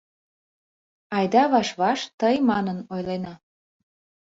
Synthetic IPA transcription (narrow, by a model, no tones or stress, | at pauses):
ɑjd̪ɑβɑʃβɑʃt̪əjmɑnənojlenɑ